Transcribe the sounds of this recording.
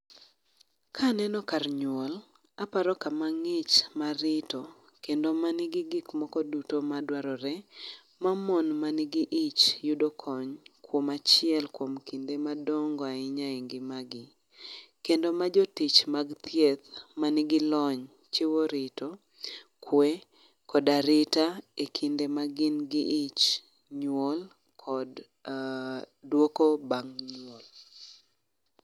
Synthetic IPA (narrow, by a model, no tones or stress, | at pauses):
kʰanɛnɔkarɲwol | apaɾɔkamaŋɪt͡ʃmaɾɪto | kendomanɪɡɪɡɪkmɔkɔdutomadwaɾɔɾɛ | mamɔnmanɪɡɪʔɪt͡ʃjudokʰɔɲkwomat͡ʃɪɛlkwomkindemadɔŋɡɔaɪɲaɪŋɡɪmaɡɪ | kendomad͡ʒotit͡ʃmaɡt̪ʰjet̪manɪɡɪlɔɲ | t͡ʃɪwoɾɪto | kʰwe | kɔdaɾɪtaekʰindemaɡɪnɡɪʔit͡ʃ | ɲwol | kʰɔd | dwokobaŋɲwol